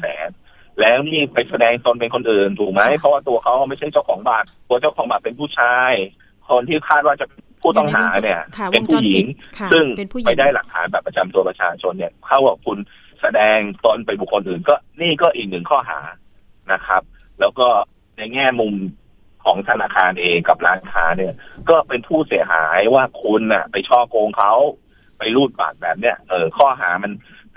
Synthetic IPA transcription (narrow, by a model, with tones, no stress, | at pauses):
sɛ̰ː˩˦n | lɛː˦˥wniː˥˩pa˧jsa˧dɛː˧ŋt̪o˧npe˧nkʰo˧nʔɯː˨˩ndu˨˩ma˦˥jpʰɔ˦waː˥˩t̪u˧ɐkʰa˦˥wma˥˩jt͡ɕʰa˥˩jt͡ɕa˥˩wkʰɔː˩˦ŋbaː˨˩t̪̚t̪u˧ɐt͡ɕa˥˩wkʰɔː˩˦baː˨˩t̪̚pe˧npʰuː˥˩t͡ɕʰaː˧j | kʰo˧nt̪ʰiː˥˩kʰaː˥˩t̪̚waː˥˩t͡ɕa˨˩pe˧npʰuː˥˩t̪ɔ˥˩ŋɦa̰ː˩˦ni˥˩ɐpe˧npʰuː˥˩ji˨˩˦ŋsɯ˥˩ŋpa˥˧jdaː˥˩jla˨˩k̚t̪ʰːa̰ː˩˦nbɛː˨˩pːɾa˧t͡ɕa˧mt̪u˧ɐpa˧˩t͡ɕʰa̰ː˧t͡ɕʰo˧nːi˥˩ɐkʰa˥˩wka˨˩kʰu˧n | sa˧dɛː˧ŋt̪o˧npa˧jbu˨˩kʰːo˧nʔɯː˨˩nkɔː˥˩niː˥˩kɔː˥˩ʔiː˨˩k̚nɯ˨˩ŋkʰɔː˥˩ɦa̰ː˩˦ | na˦˥kʰɾa˦˥p̚ | lɛː˦˥wkɔː˥˩ | na˧jŋɛː˥˩mu˧m | kʰɔː˩˦ŋt̪ʰa˧naː˧kʰaː˧nʔeː˧ŋka˨˩p̚ɾaː˦˥nkʰaː˦˥ni˥˩ɐkɔː˥˩pe˧npʰuː˥˩si˩˦ɐɦa̰ː˩˦jwaː˥˩kʰu˧nʔa̰˨˩pa˧jt͡ɕʰɔː˥˩koː˧ŋkʰa˦˥w | pa˧jɾuː˥˩t̪̚ba̰ː˨˩k̪̚bɛː˨˩p̚ni˥˩ɐʔɤː˨˩kʰɔː˥˩ɦaː˩˦ma˧n